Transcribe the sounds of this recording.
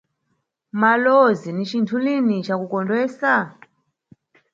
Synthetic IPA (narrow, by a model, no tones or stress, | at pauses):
malɔzinit͡ʃintʰulinit͡ʃakukɔndwɛːsa